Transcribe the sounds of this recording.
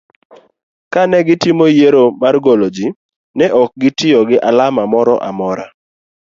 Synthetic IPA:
kanɛɡɪtimojeɾomarɡolod͡ʒi | nɛʔɔk̚ɡɪtɪɔɡɪʔalamamɔɾɔ̰ʔa̰mɔɾa̰

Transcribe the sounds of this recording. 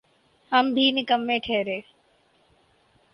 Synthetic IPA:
həmbʱiːnɪkəmːẽːʈʰeːɾeː

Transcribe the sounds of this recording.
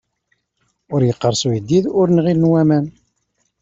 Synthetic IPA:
ʊɾjəqːəɾˤsujəd̪ːiðʊɾnʁilnwæmæn

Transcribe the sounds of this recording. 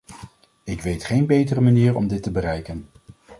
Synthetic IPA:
ɪkʋejtχejnbejtərəmaniːɹɔ̰mdɪtəbərɛjkən

